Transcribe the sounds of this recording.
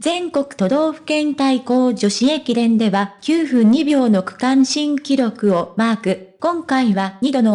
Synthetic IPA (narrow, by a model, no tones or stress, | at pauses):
zẽ̞ŋko̞kɯ̟̥t̪o̞d̪o̞ːɸɯ̟̥kẽ̞nt̪aiko̞ːd͡ʑo̞ɕiekʲid̪ẽ̞nd̪e̞βakʲɨːɸɯ̟̃ɲ̟ibʲo̞ːno̞kɯ̟̥kãɰ̃ɕĩŋkʲiɾʲo̞kɯ̟o̞maːkɯ̟kõ̞ŋkaiβaɲ̟id̪o̞no